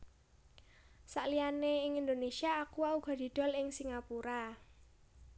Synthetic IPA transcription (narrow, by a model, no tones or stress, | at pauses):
saʔlianeɪŋind̪onesiaːkuauɡ̥ɔ̤d̪̥i̤d̪̥ɔ̤lɪŋsiŋapuɾa